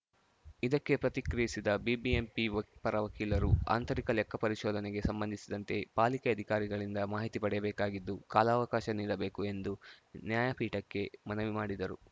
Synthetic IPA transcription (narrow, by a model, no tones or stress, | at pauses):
id̪ɐkːe̞pɾɐt̪ikɾijisid̪ɐbibiempipɐɾɐʋɐkiːlɐɾua̰ːnt̪ɐɾikɐlɛkːɐpɐɾiʃɔːd̪ɐneɡe̞sɐmbɐnd̪ʱisid̪ɐnt̪e̞paːlikeɐd̪ʱikaːɾiɡɐɭind̪ɐmaːɦit̪ipɐɽɛjɐbɛːkaːɡid̪ːukaːlaːʋɐkaːʃɐniːɽɐbeːkue̞nd̪unjaːjɐpʰiːʈɐkːe̞mɐnɐʋimaːɽid̪ɐɾṵ